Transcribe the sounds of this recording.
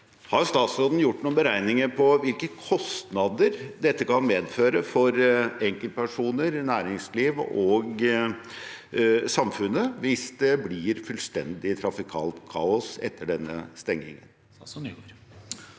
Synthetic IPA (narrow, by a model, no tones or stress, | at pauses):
hɑɾjʊst̪ɑːt̪sɔːd̪n̩jʊʈːnuːənbəɾæɪnɪŋəɾpʰɔʋɪlkəkʰɔst̪nɑd̪əɾd̪ɛt̪ːəkʰɑnmeːd̪føːɾəfɔɾɛŋkəlt̪̚pʰæʂuːnəɾnæːɾɪŋsliːʋɔɡ | sɑmfʉnəʋɪsd̪ɛblɪɾfʉlst̪ɛnd̪ɪt̪ʰɾɑfɪkʰɑ̰ːlt̪kʰɑːʊsɛt̪ʰːəɖɛnːə̰st̪ɛŋːɪ̰ŋə̰n